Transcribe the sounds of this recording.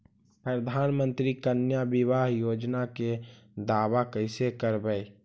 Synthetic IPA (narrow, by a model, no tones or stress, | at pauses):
pɾəd̪ʱaːnmə̃nt̪ɾikənjabɪβaːɦjoːd͡ʒnaked̪aːwakəɪsekəɾbəj